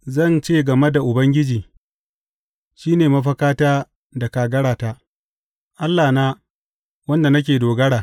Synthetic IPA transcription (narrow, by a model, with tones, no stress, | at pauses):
zɐ˦˨nt͡ʃeː˦ɡɐ˨me˦da˨ʔʊ˨bɐ˦ŋɡʲɪ˦d͡ʒiː˨ | ʃiː˦neː˨mɐ˦ɸɐ˦kaː˦taː˦ | da˨kaː˨ɡɐ˦ɽaː˨ta˦ʔ | ʔa˦lːaː˨naː˦ | wɐ˦nda˨nɐ˦k̬ʲeː˨doː˨ɡɐ˦ɽaː˨